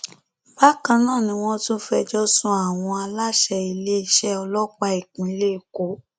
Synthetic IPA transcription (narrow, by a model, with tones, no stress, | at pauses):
ba˦kã˧nãː˦˨nĩ˧w̃ɔ̃˦tũ˦fɛ˧d͡ʒɔ˦sũ˧˦a˦˨w̃ɔ̃˧a˧la˦ʃɛ˧i˧le˦i˦ʃɛ˦ɔ˧lɔ˦k͡pa˧i˨k͡pũ˨˦i˧˦le˦i˨ko˨˦